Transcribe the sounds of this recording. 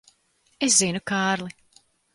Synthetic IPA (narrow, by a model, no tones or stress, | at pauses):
es̬zinukaːɾlˠi